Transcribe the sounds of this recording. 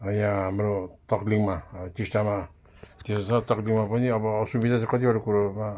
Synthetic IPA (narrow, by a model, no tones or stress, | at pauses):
ʌjãɦamɾot̪ʌkliŋmat͡sisʈama | t̪esasãt̪ʌkliŋmapʌniʌbʌsubid̪ʱat͡sãkʌt̪ibʌʈakuɾama